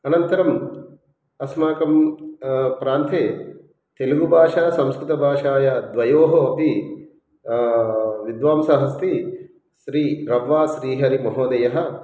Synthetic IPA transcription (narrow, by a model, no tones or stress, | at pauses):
ɐnɐnt̪ɐɾɐm | ɐsmaːkɐm | pɾaːnt̪ʰeː | t̪elɐɡubʱaːʂaːsɐmskɾut̪ɐbʱaːʂaːjɐd̪ʋɐjoːɦoɐpi | ʋid̪ʋaːmsaɦɐs̬t̪i | ʃɾiːɾɐʋʋaːsɾiːɦɐɾimɐɦoːd̪ɐjɐɦɐ̆